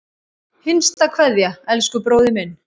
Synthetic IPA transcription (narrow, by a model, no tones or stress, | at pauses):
hɪnst̪akʰvɛðjaɛlskʏpɾoːwðɪmɛn